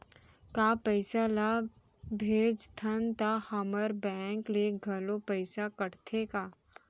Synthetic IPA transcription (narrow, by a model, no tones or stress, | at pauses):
kaːpəɪsala | bʱeːd͡ʒt̪ʰənt̪ahɐməɾbɛ̃ːŋkleɡʱɐlopəɪsakəɽt̪ʰekaː